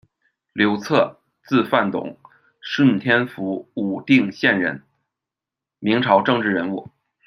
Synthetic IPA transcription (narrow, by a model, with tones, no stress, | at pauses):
ljo˧˥ʊt͡sʰɤ˥˩ | t͡sɹ̩˥˧fa˥˩nt̪ʊ̰˨˩˦ŋ | ʂə˥˩nt̪ʰjɛ˥nfu˧˥u˨˩t̪i˥˧ŋɕjɛ˥˩nɻə̰˧˥n | mi˧˥ŋʈ͡ʂʰɑ˧˥ʊʈ͡ʂɤ˥˧ŋʈ͡ʂɻ̩˥˩ɻə˧˥nu˥˩